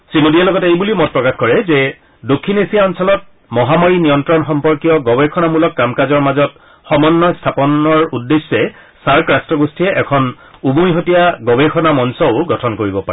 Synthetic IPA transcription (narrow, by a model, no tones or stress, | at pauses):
sinudiɛlɔɡɔtejbulimɔt̚pɹɔkaxkɔɹɛzɛ | dokʰːinesijaɔnsɔlɔt̚ | mɔɦamɔɹinijɔntɹɔnxɔmpɔɹkijɔɡɔbɛxʰɔnamulɔkːamkazɔɹmazɔt | xɔmɔnːɔstʰapɔnɔɹudːesːɛ | saɹkɹastɹɔɡostʰiɛʔɛkʰɔn | ubujɦotijaɡɔbexʰɔnamɔnsɔʊɡɔtʰɔnkoɹibɔpaɹɛ